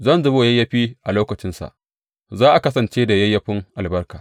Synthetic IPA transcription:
zɐ˦nzʊ˦boː˦jɐ˦jːɐ˦ɸiː˦ʔa˨loː˦kɐ˨t͡ʃɪ˦nsa̰˨ʔ | zaː˦ʔa˨kɐ˦sɐ˨nt͡ʃeː˦da˨jɐ˦jːɐ˦ɸɪ˦ŋʔa˨lbɐ˦rkaː˨

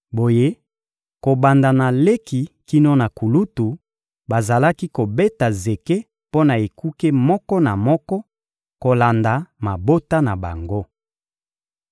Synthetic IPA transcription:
bo˨je˦ | ko˨ba˨nda˨na˨le˦ki˨ki˦no˦na˨ku˨lu˦tu˨ | ba˨za˨la˦ki˦ko˨be˦ta˨ze˨ke˦ | po˦na˨e˨ku˦ke˦mɔ˦kɔ˦na˨mɔ˦kɔ˦ | ko˨la˨nda˨ma˨bo˦ta˦na˨ba̰˨ŋɡo˦

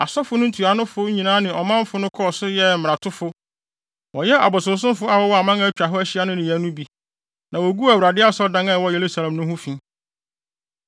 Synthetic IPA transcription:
a̰˨sɔ˦fʊ˦nʊ̃˦n̩˦tʰu˨a˨nʊ̃˦fʊ˦ɲĩ˨nãː˦nɪ̃˨ɔ˨mã˦m˦fʊ˦nʊ̃˦kʰɔ˦˨sʊ˦jɛ˦m̩˨m˨ɾã˨tʰʊ˦fʊ˦ | wɔ˨jɛ˦ʔa̰˨bʊ˨sʊ̃˨˦s̬ʊ̃˦fʊ˦a˦wɔ˦wɔ˦a˨mã˦ŋã˦t͡ɕᶣa˨ɦɔ˦æ˦ɕɪ˦a˦nʊ̃˦nɪ̃˨jɛ˨˦nʊ̃˦bi˨ | nã˨wo˨ɡu˦æ˨wu˨ɾa˨dɪ˦a˦sɔ˦dã˦ŋa˦˨wɔ˦je˨ɾu˦sa˨lɛ̃˨mnʊ̃˦hʊ̃˦fĩ˦

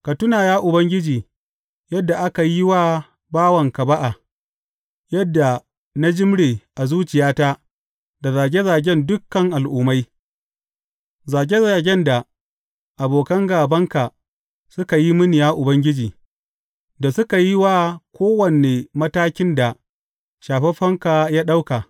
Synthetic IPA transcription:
ka˨tʊ˦naː˨jaː˦ʔʊ˨bɐ˦ŋɡʲɪ˦d͡ʒiː˨ | jɐ˦dːa˨ʔa˦ka˨ji˦waː˦ | baː˦wɐ˨ŋka˨ba˦ʔa˨ | jɐ˦dːa˨ | na˦d͡ʒɪ˦mɽeː˨ʔa˨zuː˦t͡ʃɪ˨jaː˦taː˦ | da˨zaː˨ɡʲe˦zaː˨ɡʲɛ˦ndʊ˦kːɐ˨ŋʔa˨lʔʊː˨ma˦j | zaː˨ɡʲe˦zaː˨ɡʲɛ˦nda˨ | ʔa˨boː˨kɐ˦ŋɡaː˨bɐ˦ŋka˨ | sʊ˦ka˨ji˦mʊ˦nɪ˨jaː˦ʔʊ˨bɐ˦ŋɡʲɪ˦d͡ʒiː˨ | da˨sʊ˦ka˨ji˦waː˦kʷoː˦wɐ˨ne˨mɐ˦taː˦kʲɪ˦nda˨ | ʃaː˨ɸe˦ɸɐ˦ŋka˨jaː˦ɗa˦wka˨

